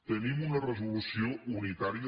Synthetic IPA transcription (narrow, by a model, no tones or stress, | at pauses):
t̪ənimunɐrəzulusiounit̪aɾiə